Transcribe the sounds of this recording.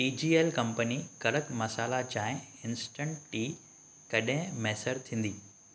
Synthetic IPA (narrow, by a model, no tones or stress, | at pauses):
ʈiːd͡ʑiːeːlkɐ̃mpənikɐɾəkmɐsaːlat͡ɕãːɪ̃ɪ̃nsʈə̃ɳʈʈiː | kɐɗɪ̃mɛːsəɾt̪ʰĩːn̆d̪iː